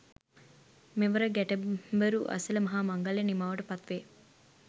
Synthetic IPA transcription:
meʋɐɾɐɡɛʈebɐɾuʔɐ̰silɐmɐɦaːmɐŋɡɐlenimaːʋɐʈɐpɐt̪ʋeː

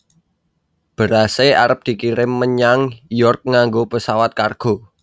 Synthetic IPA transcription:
b̥ə̤ɾasea̰ɾəp̚d̪̥i̤kiɾɪmːəɲaŋjɔrk̚ŋaŋɡopəsawat̪̚karɡ̥o̤

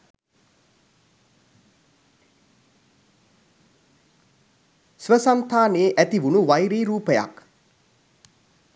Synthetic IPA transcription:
sʋəsant̪ʰaːneːʔæt̪iʋunuʋajɾiːɾuːpəja̰k

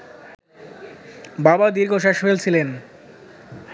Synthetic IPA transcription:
babad̪iɾɡʱoʃ̬aʃfelt͡ɕʰilen

